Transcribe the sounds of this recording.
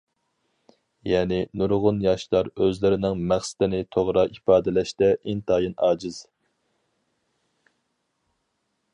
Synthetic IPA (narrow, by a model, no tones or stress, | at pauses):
jɛːnɪnuɾʁʊnjɑʃlˠɑɾøzlɪɾɪnɪŋmæχsɪ̥t̪ɪnɪt̪ʰoʁɾɑʔipɑːd̪ɪlɛʃt̪ɛʔint̪ʰɑːjinɑːd͡ʒɪz̥